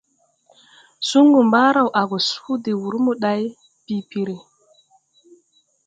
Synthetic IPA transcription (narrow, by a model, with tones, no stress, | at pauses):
su˦ŋɡu˨mba˦ɾa˨wʔa˨ɡo˨su̥˦u˦de˨wu˨ɾmu˦ɗa˨˦j | pi˨pi˨ɾe˨